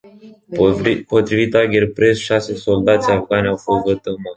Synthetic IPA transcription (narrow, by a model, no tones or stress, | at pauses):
pot̪ɾivit̪aɡʲerpɾesʃase̞so̞ld̪at̪sʲavɡanʲawfo̞st̪vət̪əma